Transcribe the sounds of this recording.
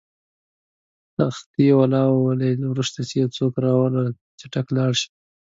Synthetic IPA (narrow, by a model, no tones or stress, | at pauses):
t̪axt̪iwalɑwwalelwɾuʂt̪asejawt͡sokɾɑwala | t͡ʃaʈaklɑɽʃi̥